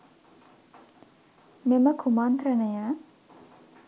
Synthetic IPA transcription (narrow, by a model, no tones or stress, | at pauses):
meməkʰumant̪ɾənəjaː